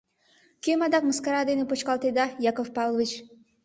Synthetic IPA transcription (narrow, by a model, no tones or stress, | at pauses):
kʲemɑd̪ɑk̚məskɑɾɑd̪enepot͡ʃkɑlˠt̪ed̪ɑjɑkofpɑlˠvit͡ʃ